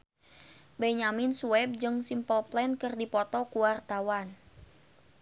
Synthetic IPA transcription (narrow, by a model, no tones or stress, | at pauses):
bɛɲaminsuɛb̚d͡ʒɨŋsimpəlplɛnkɨrdipɔt̪ɔkuwart̪awan